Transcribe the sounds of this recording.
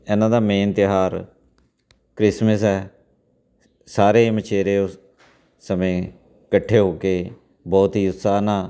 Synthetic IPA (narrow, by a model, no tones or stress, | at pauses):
ɛːnãːd̪aːmeːnt̪ɪɦaːɾ | kɾɪsməsɛː | saːɾeːmət͡ʃʰeːɾeːʊ | səmẽː | kəʈʰːeːɦoːkeː | bɔːt̪ɦiːʊt̪saːnãː